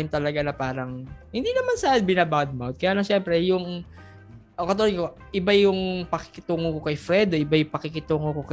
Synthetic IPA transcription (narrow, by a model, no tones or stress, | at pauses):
ɪnt̪ɐlɐɡanɐpaːɾɐŋhɪnd̪inɐmansaːɪnbɪnabawd̪̚mawnt̪̚kɐjaːlɐŋʃɛmpɾɛjʊŋ | ʔokɐt̪̬oko | ʔɪbajʊŋpɐkɪ̥kɪt̪uːŋokokɐjfɾɛd̪oʔɪbajʊŋpɐkɪkɪt̪uːŋokokɐ